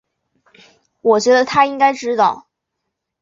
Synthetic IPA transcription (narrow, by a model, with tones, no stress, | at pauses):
wɔ˨˩t͡ɕɥɛ˧˥d̪ə˧t̪ʰa˥i˥ŋka˥ɪʈ͡ʂɻ̩˥t̪ɑ˥˩ʊ